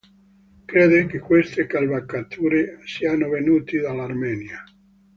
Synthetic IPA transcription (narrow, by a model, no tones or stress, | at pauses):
kɾeːd̪ekekːwest̪ekalbakːat̪ʰuːɾesianovenuːt̪id̪alːarmɛːnja